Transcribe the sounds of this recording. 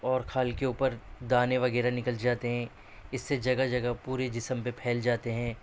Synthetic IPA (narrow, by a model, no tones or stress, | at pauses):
ɔːɾkʰaːlkeuːpəɾd̪aːneʋɐɣɛːɾanɪkəld͡ʒaːt̪eɦɛ̃ | ɪsːed͡ʒɐɡad͡ʒɐɡapuːɾed͡ʒɪsəmpepʰɛːld͡ʒaːt̪eɦɛ̃ː